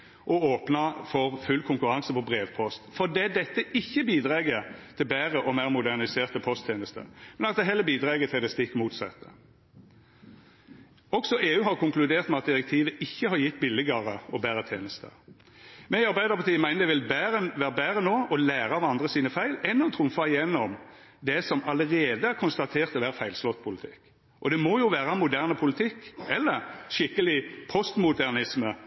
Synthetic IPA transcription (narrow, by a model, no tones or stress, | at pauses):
ʔɔoːpnɑfɔʁfʉlkʰʊŋkʉʁɑŋsəpʰɔbʁeːʋpʰɔst̪fɔd̪ɛd̪ɛt̪ːəɪçːəbiːd̪ʁɑːɡət̪ʰɪlbæːʁəʔɔmæɪʁmʊd̪æʁnɪseːʁt̪əpʰɔst̪ʰːjeːnəst̪ə̰mɛnɑt̪̚d̪ɛɦɛlːəbiːd̪ʁɑːɡət̪ʰɪld̪ɛst̪ɪkːmuːt̪sɛ̰t̪ːə | ɔɡsɔʔeːʉːɦɑʁkʰʊŋklʉd̪eːʁt̪mɛɑt̪̚d̪ɪɾɛk̚t̪ʰiːʋəʔɪçːəhɑɾjɪt̪ːbɪlːɪɡɑʁəɔbæːɾət̪ʰjḛːnəst̪ʰə̰ | mɛɪɑɾbæɪd̪əʁpʰɑʁt̪ʰiːəmæɪnəd̪ɛʋɪlbæːɾənʋæːʁəbæːʁənoːɔlæːɾɑɑʋɑnd̪ʁəsiːnəfæɪlɛnːɔt̪ʰʁʊmfɑɪjɛnːɔm | d̪ɛsɔmɑləʁeːd̪əæɾkʰʊnst̪ɑt̪ʰeːʁt̪ɔʋæːʁfæɪlslɔt̪ːpʰʊlɪt̪ʰɪ̰kː | ʔɔd̪ɛmɔjʊʋæːɾɑmʊd̪æʁnəpʰʊlɪt̪ʰɪkːɛlːəɾʃɪkːəlɪpʰɔst̪mʊd̪æʁnɪsmə